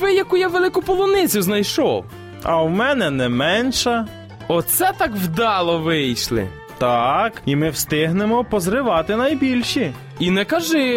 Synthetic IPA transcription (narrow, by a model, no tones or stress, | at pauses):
ʋɪjɐkujaʋelˠɪkʊpɔlˠɔnɪt͡sʲʊznɐjʃɔw | ɐwmɛnɛnɛmɛnʃɐ | ɔt̪sɛt̪ɑkwd̪ɑlˠɔʋɪjʃlˠɪ̰ | t̪ɑkimɪwst̪ɪɦnemɔpɔzɾɪʋɑt̪ɪnɐjbʲilʲʃi | inɛkɐʒɪ